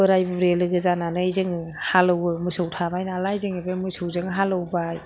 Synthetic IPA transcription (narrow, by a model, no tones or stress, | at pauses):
ɯɾajbɯɾelɯɡɯzananɯjzɯŋ | halɯwɯmɯsɯwtʰamajnalajzɯŋebemɯsowzɯŋɦalɯwbaj